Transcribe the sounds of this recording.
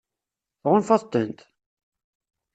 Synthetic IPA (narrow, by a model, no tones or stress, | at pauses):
θʁʊnfɑðˤt̪ːənt̪